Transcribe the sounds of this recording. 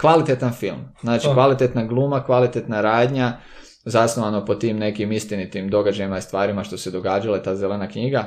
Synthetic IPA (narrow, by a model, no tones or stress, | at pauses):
kʋalit̪et̪anfilˠmznaːt͡ʃikʋalit̪et̪naɡlˠuːmakʋalit̪et̪naɾaːd̪ɲa | zasnoʋano̞po̞t̪iːmne̞kimist̪init̪imd̪o̞ɡad͡ʒajimaist̪ʋaːɾimaʃt̪o̞se̞d̪o̞ɡaːd͡ʒalat̪aːzelenakɲiɡa